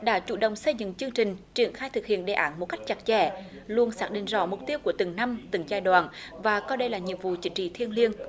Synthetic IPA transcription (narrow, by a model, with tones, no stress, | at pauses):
ɗa̰ː˧˥t͡ɕu˧˩ɗə̰˧˨wŋ͡msə˧jzɨ̰˧˨ŋt͡ɕɨ˧əŋt͡ɕï˨˩ŋ̟t͡ɕi˧˩ənxaː˧jt̪ʰɨ˨˩k̚hḭ˧˨ənɗe˨˩ʔaː˨˧˦nmo˨˩t̚ka˦˥k̟̚t͡ɕa˨˩t̚t͡ɕɛ̰˧˩ | lu˧ənsaː˦˥k̚ɗḭ˧˨ŋ̟zɔ̰˧˥mʊ˨˩k͡p̚t̪i˧əwku˧˩ət̪ɨ˨˩ŋna˧mt̪ɨ˨˧˩ŋzaː˧jɗwaː˧˨nvaː˨˩kɔː˧ɗə˧jlaː˨˩ɲḭ˨vṵ˧˨t͡ɕï˨˦ŋ̟t͡ɕḭ˧˨t̪ʰi˧ənli˧ən